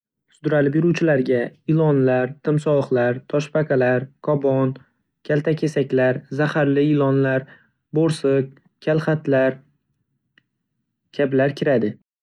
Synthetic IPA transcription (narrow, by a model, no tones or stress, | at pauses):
sʊd̪ɾalɪbɪɾuwt͡ʃʰɪlaɾɡʲaɪlˠɒnlaɾt̪ʰɪmsɒχlaɾt̪ʰɒʃpakʰalaɾkʰɒbɒn | kʲʰalt̪ʰakʲʰesakʲlaɾzahaɾlɪɪlɒnlaɾ | boɾsɨk̚ | kʲʰalˠχat̪laɾ | kʲʰablaɾkʲʰɪɾad̪ɪ